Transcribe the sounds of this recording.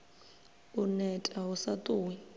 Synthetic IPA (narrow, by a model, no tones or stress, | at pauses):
unɛtʼaɦusatʼuːwɛ